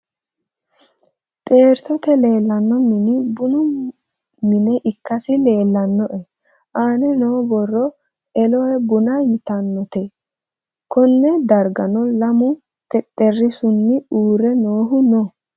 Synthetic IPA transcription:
t̪ʼe̞ːɾt̪ɔt̪ɛleːlːɐnːɔmɪnɪbʊnʊ | mɪnɛʔɪkːɐsɪle̞ːlːɐnːɔʔɛ | ʔaːnɛnoːbɔrːɔ | ɛlɔɛbʊnɐjɪt̪ɐnːɔt̪ɛ | kɔnːɛd̪ɐɾɡɐnɔlɐmʊ | t̪ʼɛt̪ʼːɛrːɪsʊnːɪuːɾɛnoːɦʊnɔ

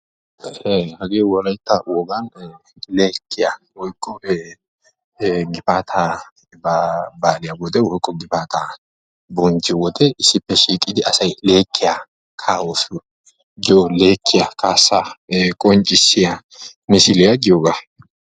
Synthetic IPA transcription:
ehɐɡeːwɔɾɐjt̪ːɐwɔɡɐn | leːkʰːɪjawɔjkʼːɔ | ɡɪfaːt̪ʰaː | babaːlɪjawɔd̪ɛwɔjkʼːɔɡɪpaːt̪ʰaː | bɔnd͡ʒɪwɔd̪ɛɪsːɪpːɛʃiːkʼɪd̪ɪʔɐsɐjle̞ːkʰːɪja | kʰaːwɔsʊ | ɡɪole̞ːkʰːɪjakʰaːsːakʼɔnt͡ʃʼːɪsːɪja | mɪsɪlɪjaɡɪjoɡa

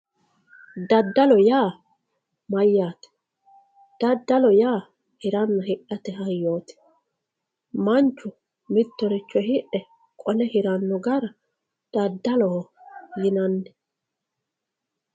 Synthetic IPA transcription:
d̪ɐd̪ːɐlɔjaː | mɐjːaːt̪ɛ̥ | d̪̥ɐd̪ːɐlɔjaː | hɪɾɐnːɐhɪʔɐt̪ɛɦɐjːoːt̪ɛ̥ | mɐnt͡ʃːʊ | mɪt̪ːɔɾɪt͡ʃːɔhɪʔɛ | kʼɔlɛhɪɾɐnːɔɡɐɾɐ | d̪̥ɐd̪ːɐlɔɔjɪnɐnːɛ̥

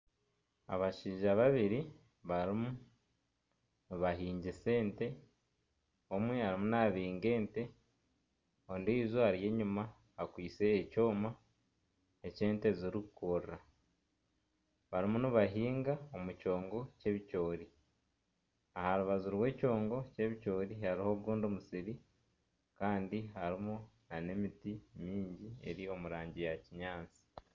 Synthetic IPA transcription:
a̰βaʃiːʒaβaβiɾi | βaɾimu | nuβaɦiːɲɟise̞ːnte̞ | omwe̞haɾimunaβiːŋɡe̞ːnte̞ | ondiːzoaɾje̞ɲumaː | kwiːt͡seːco̞ːma | ece̞ːnte̞ziɾikukʰoɾra | βaɾimunuβaɦiːŋɡaomuco̞ːŋɡo̞ce̞βico̞ːɾi | ahaɾuβazuɾwe̞ːco̞ːŋɡo̞ce̞βico̞ːɾihaɾiho̞ɡuːndomusiɾi | kaːndiɦaɾimunane̞mitimiːɲɟie̞̰ɾio̞muɾaːɲɟijaciɲaːt͡si̥

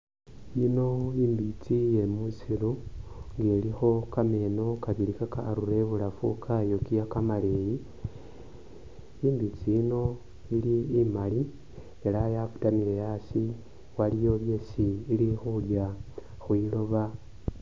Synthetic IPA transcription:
jino̞iːmbit͡sije̞musiɾuŋɡe̞lixo̞kame̞ːno̞kaβilikakaɾuɾe̞βulafṵkʰajo̞kijakamaleji | iːmbit͡siino̞ | iliːmali | e̞lajaku̥tamilejasi | walijo̞βje̞siːlixulja | xwilo̞βa

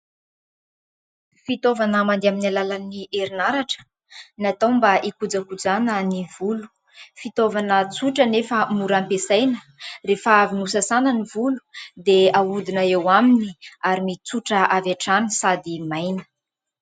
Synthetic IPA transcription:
fit̪ovanəmand̪eaminalalanieɾinaɾaʈ͡ʂə̥ | nat̪ambaʔikud͡zakud͡zanənivulu̥ | fit̪ovanət͡suʈ͡ʂənefəmuɾampesajnə | refaavinusasanənivulu̥d̪eaud̪inəewaminiaɾimit͡suʈ͡ʂəavaʈ͡ʂanisad̪imajnə̥

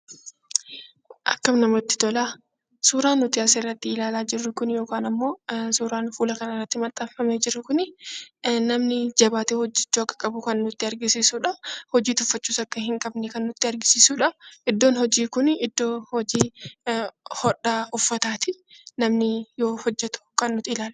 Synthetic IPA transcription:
ʔɐ̰kːɐmnɐmɔt̪ːɪ̥t̪ɔlaː | suːɾaːnːʊt̪ɪaːserːɐt̪ːɪɪlaːlaːd͡ʒɪrːʊkʊnjo̞ːkaːnɐmːo̞ːsuːɾaːnfuːlɐkɐnɐɪrːɐt̪ːɪmɐt̪ʼɐffɐmeːd͡ʒɪrːʊkʊnɪ | nɐmnɪd͡ʒɐbaːt̪eːhɔd͡ʒːɛt͡ʃːuːɐkːɐ̥kʼɐbʊkɐnːnʊt̪ːɪɐɾɡɪsiːsuːᶑɐhɔd͡ʒiːt̪ʊfːɐt͡ʃːuːsɐkːɐhɪŋkʼɐbnɛkɐnːʊt̪ːɪɐɾɡɪsiːsuːᶑɐʔɪd̪ːo̞ːnhɔd͡ʒiːkʊnɪd̪ːo̞ːhɔd͡ʒiː | hɔɗaːʊfːɐt̪aːt̪ɪnɐmnɪjoːhɔd͡ʒːɛt̪ʊ̥kɐnːʊt̪ɪɪlaːl

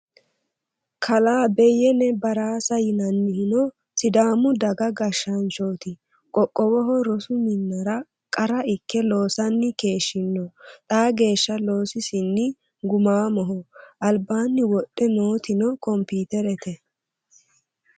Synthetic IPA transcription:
kʰɐlaːbɛjɛnɛbɐɾaːsɐjɪnɐnːɪhɪnɔ | sɪd̪aːmʊd̪ɐɡɐɡɐʃːɐnt͡ʃoːt̪ɪ | kʼɔkʼːɔwɔɦɔɾɔsʊmɪnːɐɾɐ | kʼɐɾɐɪkːɛlo̞ːsɐnːɪke̞ːʃːɪnːɔt̪ʼaːɡe̞ːʃːɐlo̞ːsɪsɪnːɪ | ɡʊmaːmɔɦɔʔɐlbaːnːɪwɔtʼːɛnoːt̪ɪnɔkɔmpiːt̪ɛɾɛt̪ɛ

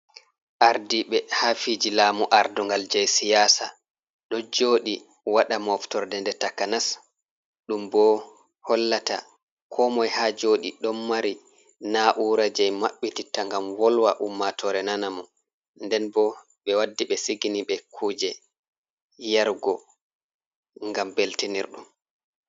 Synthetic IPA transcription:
ʔaɾdiɓɛhafid͡ʒilaːmuʔaɾdɔŋɡald͡ʒajsijaːsa | ɗɔd͡ʒoːɗi | waɗamɔftɔɾdɛndɛtakanas | ɗumbɔ | hɔlːata̰ | kʰɔmɔjhad͡ʒoːɗiɗɔmːaɾi | naʔuɾad͡ʒɛjmaɓːititaŋɡamwɔlwaʔumːatʰɔɾɛnanamɔ | ndɛnbɔ | ɓɛwadːiɓɛsiɡiniɓɛkʰuːd͡ʒɛ | jaɾɡɔ | ŋɡambeltinḭɾɗṵm

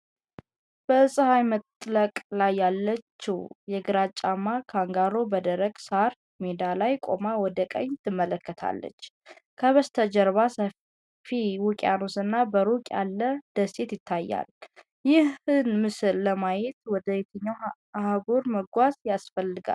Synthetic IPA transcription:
b̥əsʼɨhajmət̪ʼləkʼlajːalːət͡ʃːiwjɛɡɨɾat͡ʃʼːamːakʰaŋɡaɾo̞bəd̪əɾəɡ̥saɾ | med̪alajkʼo̰mawɔd̪əkʼə̰ɲt̪ʰɨmːələkːət̪ʰa̰lːə̰t͡ʃː | kʰəβəst̪ʰəd͡ʒəɾβasə | fiwukʼanosɨnːabəɾokʼja̰lːəd̪̥əse̞t̪jɪt̪ʰːajːa̰l | jɪhɨnmɨsɨlːəmajɛt̪wɔd̪əjɛt̪ʰəɲːaw | haɡoɾməɡʷazjasfəlːɨɡa̰l

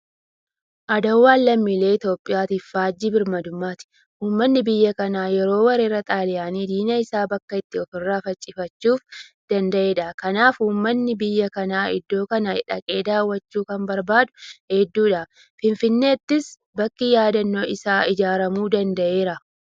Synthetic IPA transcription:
ʔɐd̪ɐwːaːnlɐmːiːle̞ːɪt̪o̞ːpʼːɪjaːt̪iːffaːd͡ʒːiːbɪɾmɐd̪ʊmːaːt̪ɪ̥ | ʔuːmːɐnːɪbɪjːɐkɐnaːjɛɾo̞ːwɐɾeːɾɐt̪ʼaːlɪjaːniːd̪iːnɐɪsaːbɐkːɐɪt̪ːɪɔt̪ɔrːaːfɐt͡ʃʼːɪfɐt͡ʃːuːfd̪̥ɐnd̪ɐʔe̞ːᶑɐkɐnaːfuːmːɐnːɪbɪjːɐkɐnaːʔɪ̰d̪ːo̞ːkɐnɐɪᶑɐ̰kʼe̞ːd̪aːwːɐt͡ʃːuːkɐmbɐɾbaːd̪ʊ̥hɛd̪ːuːᶑɐ | fɪnfɪnːe̞ːt̪ːɪs | bɐkːɪjaːd̪ɐnːoːɪsaːʔɪd͡ʒaːɾɐmuːd̪ɐnd̪ɐʔe̞ːɾɐ

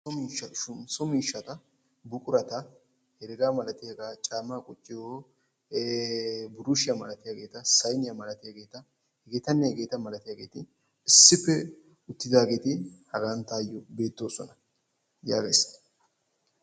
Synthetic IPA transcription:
ɔmiːʃɐʊmsɔmiːʃːɐt̪ɐ | bʊkʼʊɾɐt̪ɐ | hɛɾɪɾaːmɐlɐt̪ɪjɐɡaːt͡ʃʼaːmaːkʼʊt͡ʃʼːɪjo | bʊɾʊʃɪjɐmɐlɐt̪ɪjaːɡe̞ːt̪ɐsɐjnɪjɐmɐlɐt̪ɪjaɡe̞ːt̪ɐ | hɛɡe̞ːt̪ɐnːɛhɛɡe̞ːt̪ɐmɐlɐt̪ɪjaːɡe̞ːt̪ɪ | ɪsːɪfːɛ | ʊt̪ːɪd̪aːɡe̞ːt̪ɪhɐɡant̪aːjːɔbe̞ːt̪ːo̞ːsɔ̰nɐ | jaːɡḛːs

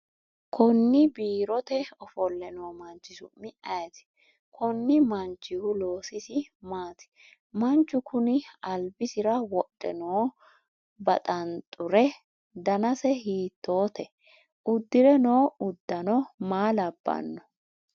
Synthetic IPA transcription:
kʰɔnːɪbiːɾɔt̪ɛɔfɔlːɛnoːmɐnt͡ʃːɪsʊ̰mːɪɐjt̪ɪ̥ | kʰɔnːɪmɐnt͡ʃːɪhʊlo̞ːsɪsɪmaːt̪ɪ̥ | mɐnt͡ʃːʊkʰʊnɪɐlbɪsɪɾɐwɔɗʼːɛ̰noː | bɐt̪ʼɐnt̪ʼʊɾɛ | d̪ɐnɐsɛhiːt̪ːo̞ːt̪ɛ | ʊd̪ːɪɾɛnoːʊd̪ːɐnɔmaːlɐbːɐ̰nːɔ

